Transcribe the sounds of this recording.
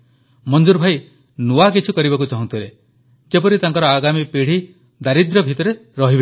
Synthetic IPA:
mɔnd͡ʒuɾbʱaj | nuakit͡ʃʰikɔɾibakut͡ʃɔɦũnt̪ʰile | d͡ʒepɔɾit̪aŋkɔɾɔaɡamipiɽ̤i | d̪aɾid̪ɾɔbʱit̪ɔɾeɾɔɦibe

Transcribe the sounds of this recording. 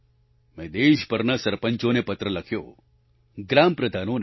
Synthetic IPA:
mẽːd̪eːʃpəɾnəsɐɾpə̃ɲt͡ʃõnepɐt̪ɾəlɐkʰjo̰ː | ɡɾaːmpɾəd̪ʱaːnõn

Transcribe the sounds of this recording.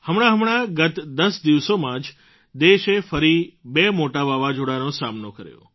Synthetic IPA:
həmɽ̃ãɦəmɳ̃aɡət̪d̪əsd̪iʋsomãd͡ʒ | d̪eʃefəɾibemoʈabaʋad͡ʒoɽanosamnokə̰ɾjõ̰

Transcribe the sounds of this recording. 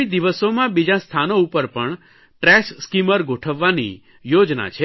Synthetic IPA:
id̪iʋəsomãbid͡ʒãst̪ʰanoupəɾpəɳ | ʈɾɛsskiməɾɡʱoʈʰəʋːanḭ | jod͡ʒna̰t͡ʃʰe

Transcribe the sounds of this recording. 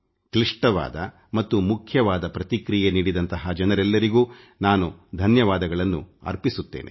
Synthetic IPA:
kliʂʈɐʋa̰ːd̪ɐ | mɐt̪ːumukʰjɐʋaːd̪ɐpɾɐt̪ikɾijeniːɽid̪ɐnt̪ɐɦɐd͡ʒɐnɐɾɛlːɐɾiɡuː | naːnud̪ʱɐnjɐʋaːd̪ɐɡɐɭɐnːṵɐ̰ɾpisut̪ːeːnḛ

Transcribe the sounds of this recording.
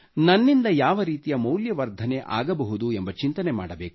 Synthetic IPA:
nɐnːind̪ɐjaːʋɐɾiːt̪ijɐmɐwljɐʋɐɾd̪ʱɐneʔa̰ːɡɐbɐɦud̪uembɐt͡ʃint̪ɐnema̰ːɽɐbeːk

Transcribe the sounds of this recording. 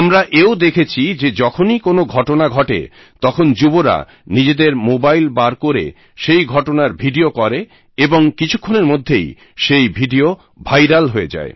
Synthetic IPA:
mɾaʔeod̪ekʰet͡ɕʰid͡ʑed͡ʑɔkʰonikonoɡʱɔʈonaɡʱɔʈḛ | t̪ɔkʰond͡ʑuboɾa̰ | nid͡ʑed̪eɾmobajlbaɾkoɾḛ | ʃejɡʱɔʈonaɾbʱiɖiokɔɾe | eboŋkit͡ɕʰukʰːoneɾmod̪ʱːej | ʃejbʱiɖio | bʱajɾalɦoed͡ʑa̰e

